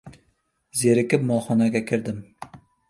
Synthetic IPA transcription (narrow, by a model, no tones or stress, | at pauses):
zeɾɪkʲɪpmɒlˠχɒnaɡʲakʲʰɪɾd̪ɪm